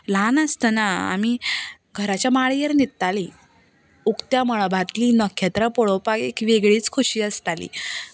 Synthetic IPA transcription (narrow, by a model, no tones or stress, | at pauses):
lanəst̪ənaa̰mi | ɡʱəɾat͡ɕjamaɭijəɾnit̪t̪ali | ukt̪jaməɭbʱat̪liːnəkʰːet̪ɾəpoɭopaɡekʋeɡɭiːt͡skʰuɕiːəst̪alḭː